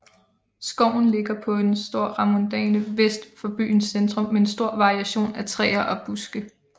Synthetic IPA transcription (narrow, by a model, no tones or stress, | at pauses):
sɡ̥ɒʊ̰n̩le̝ɡ̥ɐpʰɒ̽eensd̥o̝ɐ̰ʁɑmond̥ɛ̰ːnəʋesd̥fɒ̽b̥y̰ːnsend̥ʁɔ̽mːee̝nsd̥o̝ɐ̰ʋɑ̈ʁiæɕo̝̰ːnæt͡sʰʁɛ̰ːɐʔɒ̽b̥usɡ̥ə